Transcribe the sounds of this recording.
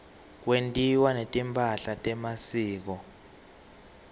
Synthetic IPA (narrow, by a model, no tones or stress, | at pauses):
k̬wentʼiwanetʼimpʰʼaɬatʼɛmasiːk̬ɔ